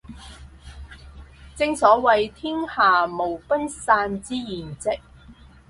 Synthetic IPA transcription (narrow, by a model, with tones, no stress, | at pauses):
t͡sɪ˧ŋsɔː˨˥wɐ˨jt̪ʰiː˥ŋhaː˨˩mo˨˩wpɐ˥nsaː˧nt͡siː˥jiː˨˩nt͡sɪ˨k̚